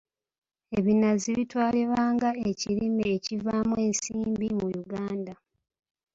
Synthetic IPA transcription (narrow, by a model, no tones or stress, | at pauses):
e̞βinaziβitwaːleβaːŋɡae̞ciɾimeːcivaːmwe̞ːnsiːmbimujuɡaːnda